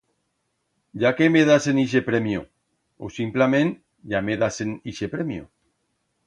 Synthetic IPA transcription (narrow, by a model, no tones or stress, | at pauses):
d͡ʒakemeðaseniʃ̬epɾemjo | o̰simplamẽn | ʝameðaseniʃepɾemjo̰